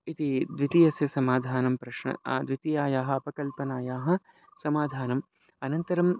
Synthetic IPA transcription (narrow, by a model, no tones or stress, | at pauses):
it̪id̪ʋit̪ijɐsjɐsɐmaːd̪ʱaːnɐmpɾɐʃɳɐ̰d̪ʋit̪ijaːjaːɦɐ̆ɐpɐkɐlpɐnaːjaːɦɐ̆ | sɐmaːd̪ʱaːnɐm | ɐnɐnt̪ɐɾɐm